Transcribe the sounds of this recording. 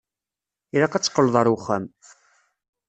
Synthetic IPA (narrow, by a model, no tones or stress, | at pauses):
iɾaqæt͡sːqːəlðˤɑɾˤuχːæm